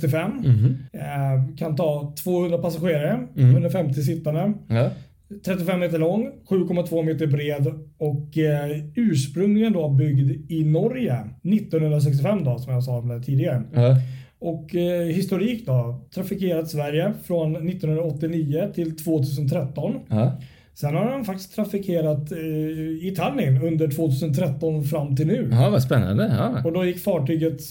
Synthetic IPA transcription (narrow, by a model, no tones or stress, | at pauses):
t̪ɪfɛmː | kʰant̪ʰɑːt̪ʰv̥oːhɵnɾapasaɧeːɾaɾəhɵnɾafɛmt̪ɪs̬ɪt̪ːand̪ə | t̪ʰɾɛt̪ːɪfɛmːeːt̪̬əɭɔŋːɧʉ̟ːkʰɔmːat̪ʰvoːmeːt̪əɾbɾeːd̪ɔkː | ʉ̟ːʂpɾɵŋlɪɡənd̪oːbʏɡd̪ɪnɔɾjənɪt̪ːɔnhɵnɾas̬ɛkst̪ɪfɛmːd̪osɔmjasɑːmæt̪ʰiːd̪ɪɡaɾə | ɔkɦɪst̪ʊɾiːkd̪ɔt̪ʰɾafɪkʰeːɾat̪svæɾjəfɾɔnːɪt̪ːɔnhɵnɾaɔt̪ːɪniːət̪ʰɪlt̪ʰv̥oːt̪ʰʉ̟ːs̬ənt̪ʰɾɛt̪ːɔn | sɛnhadɛnfak̚t̪ɪ̥skt̪ʰɾafɪkʰeːɾat̪ | ɪt̪ʰalɪnɵnd̪əʈʰv̥oːt̪ʰʉːsənt̪ʰɾɛt̪ːɔnfɾamːt̪ʰɪlnʉ̟ːvaspɛnːa̰nd̪əɑɔd̪ɔjɪkːfɑːʈyːɡət̪